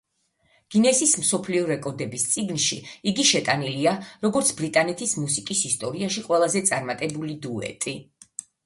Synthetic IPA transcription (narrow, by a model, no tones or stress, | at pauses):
ɡ̥inɛsism̩sɔpʰliɔɾɛkʼɔɾd̪ɛbist̪sʼiɡnʃḭiɡiʃɛt̪ʼaniliaɾɔɡɔɾt̪sʰbɾit̪ʼanɛt̪ʰismusikʼisist̪ʼɔɾiaʃiqʼwɛlˠazɛt̪sʼaɾmat̪ʼɛbulid̪uɛ̰t̪ʼi